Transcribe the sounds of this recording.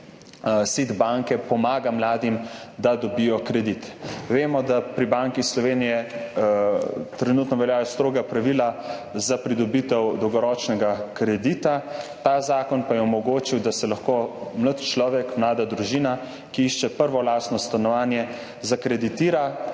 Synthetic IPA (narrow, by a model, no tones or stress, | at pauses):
sid̪baŋkɛpɔmaːɡamlaːd̪imd̪ad̪ɔbijɔkɾɛd̪it̪ʋeːmɔd̪apɾibaŋkislɔʋeːnijɛ | t̪ɾɛnut̪nɔʋɛljaːjɔst̪ɾoːɡapɾaʋilazapɾid̪ɔbit̪ɛwd̪ɔwɡɔɾɔt͡ʃnɛɡakɾɛd̪it̪at̪aːzaːkɔnpajɛɔmɔɡoːt͡ʃiwd̪asɛlaxkoːmlət̪t͡ʃlɔːʋɛkmlaːd̪ad̪ɾuʒiːna | kiiʃt͡ʃɛpəɾʋɔlaːsnɔst̪anɔʋaːnjɛ | zakɾɛd̪it̪iːɾa